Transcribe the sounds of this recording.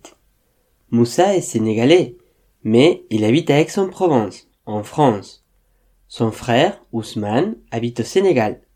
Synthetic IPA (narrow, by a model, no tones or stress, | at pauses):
musaeseneɡale | mɛilabit̪avɛksɔ̃pχɔvɑ̃s | ɑ̃fχɑ̃s | sɔ̃fχɛʁusmanabit̪oseneɡal